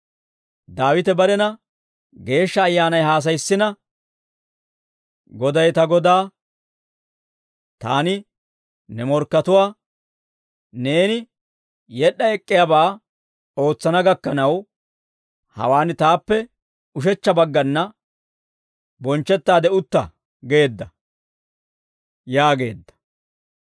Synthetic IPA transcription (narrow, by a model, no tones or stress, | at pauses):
d̪aːwɪt̪ɛbɐɾɛnɐ | ɡe̞ːʃːɐːjːaːnɐjɦaːs̬ɐjsːɪnɐ | ɡɔd̪ɐjt̪ɐɡɔd̪aː | t̪a̰ːnɪ | nɛmɔɾkːɐt̪ʊwaː | ne̞ːnɪ | jɛɗɐɛkʼːɪjabaː | o̞ːt͡sːɐnɐɡɐkːɐnɐw | hɐ̰waːnɪt̪aːpːɛ | ʊʃ̬ɛt͡ʃːɐbɐɡːɐnːɐ | bɔnt͡ʃːɛt̪ːaːd̪ɛʊt̪ːɐ̰ | ɡe̞ːd̪ːɐ | jaːɡe̞̰ːd̪ːɐ̥